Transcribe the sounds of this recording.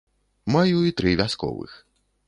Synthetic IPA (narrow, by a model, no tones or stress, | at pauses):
majuit̪ɾɨvʲaskɔ̰vɨ̰x